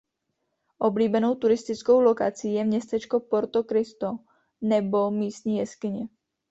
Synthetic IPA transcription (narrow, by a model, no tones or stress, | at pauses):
ʔo̞bliːbɛno̞wt̪uɾɪst̪ɪt͡sko̞wlo̞kat͡siːjɛmɲɛst̪ɛt͡ʃko̞po̞ɾt̪okɾɪst̪o | nɛbo̞miːst̪ɲiːjɛskɪɲɛ